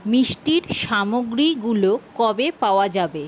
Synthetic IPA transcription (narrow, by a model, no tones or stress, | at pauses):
miʃʈiɾʃamoɡɾiɡulokɔbepaoad͡ʑabe